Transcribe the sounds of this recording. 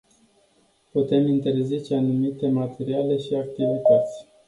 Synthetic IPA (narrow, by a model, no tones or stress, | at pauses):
put̪e̞mint̪e̞rzit͡ʃe̞anumit̪e̞mat̪e̞ɾiale̞ʃiak̚t̪ivit̪at̪sʲ